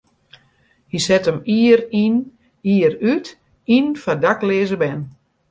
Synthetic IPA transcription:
hisɛtəmirin | iəɾyt | infadaklɪːzəbɛn

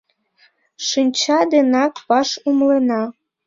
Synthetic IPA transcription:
ʃinʲt͡ɕɑd̪enɑkpɑʃumlenɑ

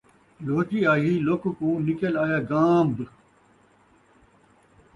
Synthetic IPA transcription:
loːt͡ɕiːaːɦilokkũːnikelaːjaːɡaːmb

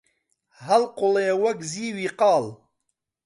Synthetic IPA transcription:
ɦɐlqʊlewɐkziːwiːqɑːl

